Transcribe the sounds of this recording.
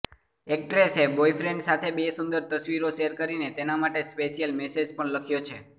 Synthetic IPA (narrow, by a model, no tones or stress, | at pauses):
ek̚ʈɾeseboifɾeɳɖsat̪ʰebesund̪əɾt̪əsʋiɾoʃeɾkəɾinet̪enamaʈespeʃijəlmesed͡ʒpəɳləkʰjot͡ʃʰe